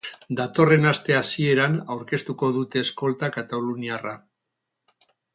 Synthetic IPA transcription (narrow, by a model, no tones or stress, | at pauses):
d̪at̪o̞re̞nast̪e̞asie̞ɾanawɾke̞st̪uko̞ðut̪e̞ːsko̞lt̪akat̪aluniara